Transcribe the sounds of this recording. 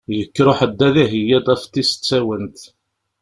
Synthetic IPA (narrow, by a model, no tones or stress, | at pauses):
jəkːɾoħəd̪ːæðiɦəjːæd̪ˤæft̪isə̥t͡sːæwənt̪